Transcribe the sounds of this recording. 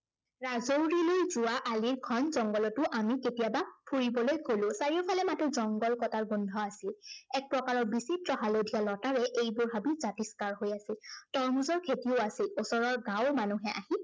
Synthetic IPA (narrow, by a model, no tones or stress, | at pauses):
ɹazowɹilojzʊwaʔaliɹkʰɔnzɔŋɡɔlɔtʊʔamiketiabapʰuɹibɔlojkolʊ̃saɹiɔpʰalɛmatuzɔŋɡɔlkɔtaɹɡundʱɔasilɛk̚pɹɔkaɹɔɹbisitɹɔɦalodʱijalɔtaɹɛʔejbʊɹɦabizatiskaɹɦojasitɔɹmuzɔɹkʰetioasilosɔɹɔɹɡawmanuɦɛʔa̰hi